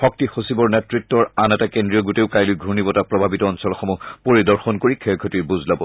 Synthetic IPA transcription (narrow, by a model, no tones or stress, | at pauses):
xɔk̚tixosibɔɹnɛtɹitːɔɹanɛtakendɹijɔɡuteʊkajlʊjɡʱɹunibɔtapɹɔbʱabitɔːnsɔlxɔmɔpoɹidɔɹxɔnkoɹikʰɛjkʰɔtijbuzlabɔ